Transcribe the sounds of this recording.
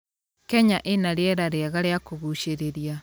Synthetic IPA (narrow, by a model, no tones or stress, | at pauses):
kɛɲaʔenaɾeɛɾaɾeaɣaɾeakoɣuɕeɾeɾia